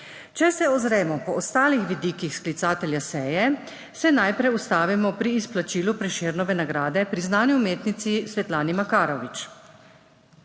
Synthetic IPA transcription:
t͡ʃɛsɛɔzɾɛːmɔpɔʔːst̪aːlixʋid̪iːkixsklit̪saːt̪ɛlʲjasɛːjɛ | sɛnajpɾɛjust̪aːʋimɔpɾiːsplat͡ʃiːlupɾɛʃeːɾnɔʋɛnaɡɾaːd̪ɛpɾiznaːnuumeːt̪nit̪sisʋɛt̪laːnimakaːɾɔʋit͡ʃ

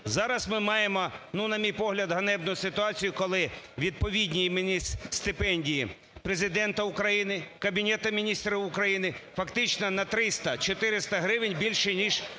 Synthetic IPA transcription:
zɑɾɐsmɪmɑjemɔnunɐmʲijpɔɦlʲɐd̪ɦɐnɛbnʊsɪt̪ʊɑt͡sʲijʊkɔlˠɪʋʲid̪̚pɔʋʲidʲnʲijimɪnʲist̪ɪpɛnʲdʲiji | pɾezɪd̪ɛnt̪ɐʊkɾɐjinɪkɐbʲinʲɛt̪ɐmʲinʲist̪ɾɪʊkɾɐjinɪfɐkt̪ɪt͡ʃnɔnɐt̪ɾɪst̪ɐt͡ʃɔt̪ɪɾɪst̪ɐɦɾɪʋɪnʲbʲilʲʃɪnʲiʒ

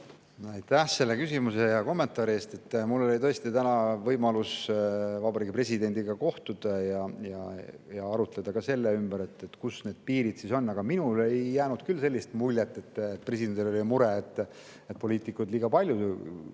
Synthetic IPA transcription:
ɑjt̪æhse̞lːekysimuse̞jɑko̞mːe̞nt̪ˑɑːɾie̞ːst̪e̞t̪ːmulːoolit̪ɤ̞est̪it̪ænɑvɤjmɑlusvɑbɑɾiːɡ̥ipre̞sʲid̪e̞nʲd̪iɡ̥ɑko̞ht̪ud̪̥ɑjɑjɑ̰jɑɑɾut̪ˑle̞d̪̥ɑkɑse̞lːeymbəɾe̞t̪ːet̪kusne̞ːd̪̥piːɾid̪̥siso̞nːɑɡ̥ɑminule̞jːæːnud̪̥kylːse̞lʲːist̪mulʲjet̪ːˑe̞t̪ːet̪̚pre̞s̬ʲid̪end̪ilolʲimuɾeet̪ːˑ | et̪̚po̞lʲiːt̪ːˑikːˑud̪liːɡɑpɑlʲju

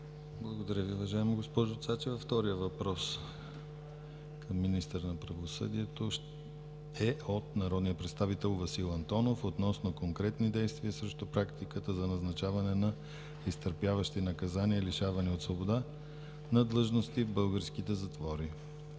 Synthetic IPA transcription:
blˠɐɡod̪ɐɾʲəviovɐʒaɛmiɡospɔʒot̪sat͡ʃɛvɐft̪ɔɾijəvɐpɾɔs | kʰəmːinist̪əɾnɐpɾɐvosɤ̰d̪iɛt̪oʃ | ɛot̪nɐɾɔd̪nijəpɾɛt̪st̪avit̪ɛlˠvɐsilˠɐnt̪ɔnofot̪nɔsnokoŋkɾɛt̪nid̪ɛjst̪viəsɾɛʃt̪opɾakt̪ikət̪əzɐnɐznɐt͡ʃavɐnɛnɐ | ist̪əɾpjavɐʃt̪inɐkɐzaniəliʃavɐniot̪svobod̪a | nɐd̪lˠɤʒnost̪ivbɤlˠɡəɾsk̟it̪ɛzɐt̪vɔɾi

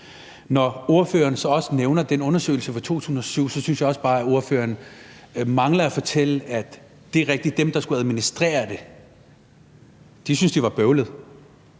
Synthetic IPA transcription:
nɒo̝ɐfø̰ːɐnsɒ̽ɒ̽səneʊnɐd̥enɔ̽nɐsø̰ɪl̩səfɑt͡sʰo̝̰ːt͡sʰṵːsn̩ɒ̽syʊ̰sɒ̽synsjɑ̈ɒ̽sb̥ɑ̈ːæo̝ɐfø̰ːɐn | mɑ̈ŋlɐæfɒ̽t͡sʰel̰əæd̥ | d̥e̝ʁɛɡ̥̚d̥id̥d̥emd̥ɑ̈sɡ̥uæð̞ˠminisd̥ʁḛːɐd̥e̝ | d̥isynsd̥iʋɑ̈b̥œʊlð̩ˠ

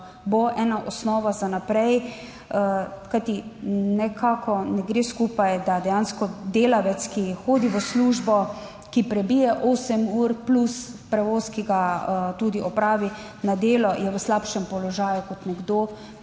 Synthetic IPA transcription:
boʔɛːnaʔɔsnɔːʋazanapɾɛj | kajt̪inɛkʰakɔnɛɡɾeskuːpajd̪ad̪ɛjanskɔd̪eːlaʋɛt̪skixoːd̪iʋəsluːʒbɔ | kipɾɛbijɛʔoːsɛmuɾpluspɾɛʋoːskiɡat̪uːd̪iʔɔpɾaːʋi | nad̪eːlɔjɛʋəslapʃɛmpɔlɔʒaːjukɔt̪nɛɡd̪o

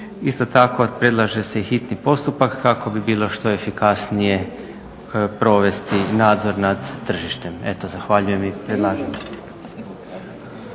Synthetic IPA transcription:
ist̪o̞t̪ako̞pɾe̞d̪lˠaʒe̞seixit̪nipo̞st̪upakːako̞bibiːlˠo̞ʃt̪o̞e̞fikasnije̞ | pɾo̞ʋe̞st̪inaːd̪zo̞ɾnad̪ːr̩ʒiʃt̪e̞me̞t̪ozaxʋaʎuje̞mipɾed̪lˠaːʒen

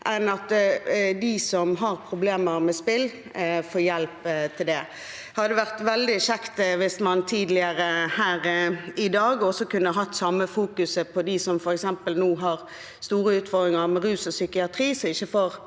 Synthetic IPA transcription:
ʔɛnɑt̪d̪ɪsɔmɦɑɾpʰɾʊbleːməɾmɛspɪlː | foːjɛlpt̪ʰɪld̪ɛ | hɑd̪əʋæʁt̪ʋɛld̪ɪʃɛkt̪ʋɪsmɑnt̪ʰiːd̪lɪəɾəhæːɾɪd̪ɑːɡɔsɔkʉnːəɦɑt̪ːsɑmːəfuːkʉsəpʰɔd̪ɪsɔmfɔɾɛksɛmpəlnuːɦɑɾ | st̪uːɾəʉːt̪fɔɾd̪ʁɪŋɑʁmɛɾʉːsɔsʏkɪɑt̪ʰɾiːsɔɪçːəfoːɾ

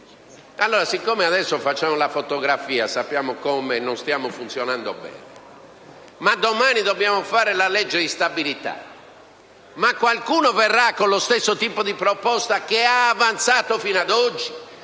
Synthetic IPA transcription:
alːoːɾasikːomeaðɛsːofat͡ʃːaːmolafot̪oɣɾafiːasapːjaːmokomenonst̪jaːmofunt̪sjonand̪o̰bɛ̰ːne | mad̪omaːnid̪obːjaːmofaːɾelalɛd͡ʒːed̪ist̪abilit̪a̰ | makːwalkuːnovɛrːakːonlost̪esːot̪iːpod̪ipɾɔpɔst̪akeaːvant̪saːt̪ofinad̪ɔd͡ʒːi

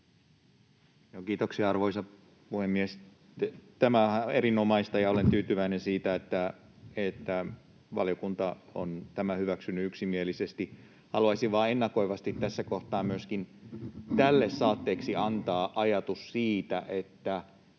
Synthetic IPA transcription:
joːkiːt̪oksiɑɑrʋoisɑ | puhemːies | t̪æmææeɾinomɑist̪ɑjɑolent̪yːt̪yʋæinensiːt̪æet̪ːæ | et̪ːæ | ʋɑ̰liokunt̪ɑo̰nt̪æmæhyʋæksynːyyksimielisest̪i | hɑluɑisiʋʋɑːenːɑkoiʋɑst̪it̪t̪ːæsːækoht̪ɑːmmyøskint̪ælːesːɑːt̪ːeːksiɑnt̪ɑːʔɑjɑt̪ussiːt̪æʔet̪ːæ

